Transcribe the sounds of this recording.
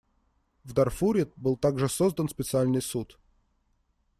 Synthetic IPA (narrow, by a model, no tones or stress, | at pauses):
vd̪ɐrfuɾʲɪt̪̚bɨlˠt̪aɡʐɨsozd̪ənspʲɪt̪sɨalʲnɨjsut̪